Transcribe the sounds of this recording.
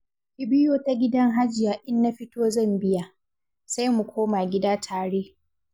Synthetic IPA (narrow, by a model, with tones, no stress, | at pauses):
kʲɪ˨bɪ˦joː˦ta˦ɡʲɪ˦dɐ˦ŋɦa˦d͡ʒɪ˨jaː˨ʔɪ˦nːa˦ɸɪ˦toː˦zɐ˦˨mbɪ˦ja˨ | sa˦jmu˨kʷʰoː˦maː˨ɡʲɪ˦daː˦tʰaː˨ɽeː˦